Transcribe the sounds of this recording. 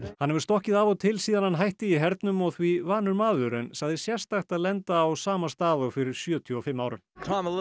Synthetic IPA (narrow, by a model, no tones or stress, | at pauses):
hanːɛvʏɾ̥st̪ɔhcɪðavɔt̪ʰɪlsiːðanhanɦajht̪ɪiɦɛɾt̪nʏmɔɣθvivaːnʏɾmaːðʏɾɛnsaɣðɪsjɛr̥st̪axt̪aðlɛnt̪aːwsaːmast̪aːðɔfɪɾɪɾ̥sjœːt̪ʰjʏɔfɪmːaːwɾɪmkʰɑməl